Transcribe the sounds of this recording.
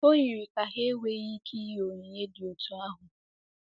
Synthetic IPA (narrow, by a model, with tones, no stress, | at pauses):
o˦ɲi˨ɾi˨ka˨ɦe˦wʷe˦ɣi˦kʰi˦jo˨ɲe˨ɲe˦dɪ˨o˨tu˦a˦ɦʊ˨